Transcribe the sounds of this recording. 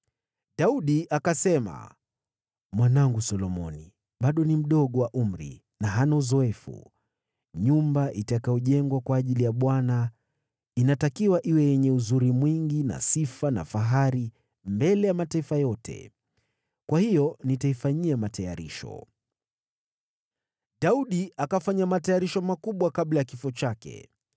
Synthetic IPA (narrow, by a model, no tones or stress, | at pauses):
ɗauɗiʔakasɛma̰ | mwanaŋɡusɔlɔmɔ̰ni | ɓaɗɔnim̩ɗɔɠɔwaʔum̩ɾḭ | naɦanauzɔɛfṵ | ɲumbaʔitakajɔʄɛŋɡwakwaːʄilijaɓwana | inatakiwaʔiwɛjɛɲɛuzuɾimwiŋɡina̰sifana̰faɦaɾi | mbɛlɛjamataifajɔtʰɛ̰ | kwahijɔnitaifaɲiamataja̰ɾḭʃɔ̰ | ɗauɗiakafaɲamatajaɾiʃɔmakuɓwakaɓlajakifɔt͡ʃakɛ̰